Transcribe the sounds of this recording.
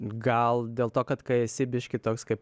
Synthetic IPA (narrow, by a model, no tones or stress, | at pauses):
ɡɐlˠd̪ʲeːlˠt̪oːkɐt̪kɐɪɪsʲɪbʲɪʃʲkʲɪt̪oːkskɐɪp